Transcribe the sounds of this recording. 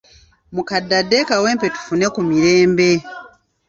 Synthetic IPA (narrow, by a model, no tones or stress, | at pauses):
mukadːadːekawe̞ːmpe̞tu̥fune̞kumiɾe̞ːmbe̞